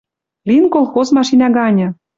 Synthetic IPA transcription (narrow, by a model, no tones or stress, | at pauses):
linkolˠxozmɑʃinɑɡɑnʲɤ̆